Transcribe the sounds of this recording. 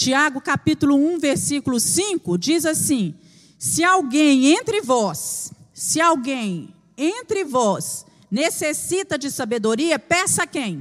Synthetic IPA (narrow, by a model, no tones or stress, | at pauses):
t͡ʃiaɡʊkapit̪ulʊũveɾsikʊlʊsĩkʊd͡ʒizasĩ | sɪawɡẽj̃ẽnt̪ɾɪvɔsː | ɪawɡẽj̃ | ẽnt̪ɾɪvɔs | nesesit̪ɐd͡ʒɪsabed̪oɾiɐpɛ̃sɐkẽj̃